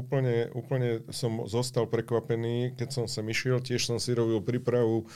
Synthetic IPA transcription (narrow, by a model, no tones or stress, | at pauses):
uːpl̩ɲɛṵːpl̩ɲɛsɔmzɔst̪alpɾɛkʋapɛniːkɛcsɔmsɛmiʃɪɛlcɪɛʃsɔmsiɾɔbilpɾiːpɾaʋu